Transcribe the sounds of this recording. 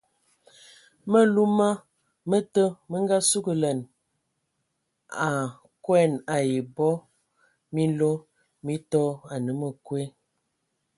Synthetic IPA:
mə˦lu˦ma˦ | mə˦tə˦mə˦ŋɡa˦su˦ɡə˨lə˨n | a˨ | kwɛ˦˨na˨je˨bɔ˦ | mi˦lo˦ | mi˦tɔ˦a˨nə˨˦mə˨kwe˦

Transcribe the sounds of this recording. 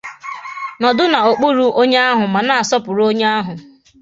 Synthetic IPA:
nɔ˨dʊ˦na˨o˨k͡pu˦ɾu˦ʔo˦ɲe˦a˦ɦʊ˨ma˨na˦˨a˨sɔ˦pʊ˨ɾo˦ɲe˦a˦ɦʊ˨

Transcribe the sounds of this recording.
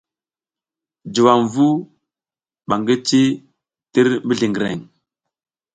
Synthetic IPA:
d͡ʒu˨wa˨mvu˦ | ɓa˨ŋɡə˦t͡ʃi˦ | ti˦ɾmbi˦ɮi˨ŋɡi˨ɾḛ˨ŋ

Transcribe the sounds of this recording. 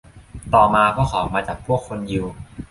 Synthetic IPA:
t̪ɔː˨˩maː˧kʰɔː˥˩kʰɔː˩˦maː˧t͡ɕa˨˩pʰu˥˩əkʰːo˧nji˧w

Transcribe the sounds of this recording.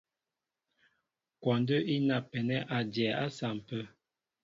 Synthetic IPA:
kwɔ˨ndə˦i˦na˨pɛ˨nɛ˦ʔa˨djɛ˨a˦sa˨m̩˨pə˦

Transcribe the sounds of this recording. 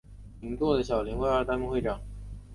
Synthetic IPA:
i˧˥ŋt̪wɔ˥˩d̪ə˩ɕjɑ˨˩ʊljɛ˧˥nxwe˥˧ə˞˥˧t̪a˥nmu˥˧xwe˥˩ɪʈ͡ʂɑ˨˩˦ŋ

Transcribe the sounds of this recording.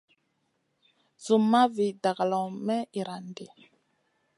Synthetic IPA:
zu˨ma˦vi˨da˨ɣa˨lɔ˨mɛ˦i˨ɾa˨nde˨

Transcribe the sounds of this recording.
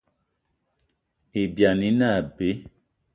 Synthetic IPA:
e˨bja˨ni˦na˦˨be˨˦

